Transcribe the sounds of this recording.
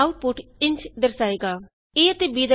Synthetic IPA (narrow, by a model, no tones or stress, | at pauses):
auʈ̚pʊʈɪɲt͡ʃd̪əɾsaːeːɡaː | eːət̪ebiːd̪ə